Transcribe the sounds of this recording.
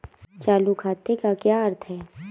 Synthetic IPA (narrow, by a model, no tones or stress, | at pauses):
t͡ʃaːlukʰaːt̪ekakjaːəɾt̪ʰɦɛː